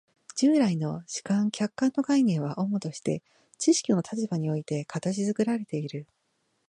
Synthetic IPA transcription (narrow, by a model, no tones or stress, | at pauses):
d͡ʑɨːɾaino̞ɕi̥kãŋkʲakːãnːo̞ɡainẽ̞ɰ̃βaʔo̞mot̪o̞ɕi̥t̪e̞̰ | t͡ɕiɕi̥kʲino̞t̪at͡ɕibaɲ̟io̞it̪e̞kat̪aɕizɨkɯ̟ɾaɾe̞t̪e̞iɾɯ̟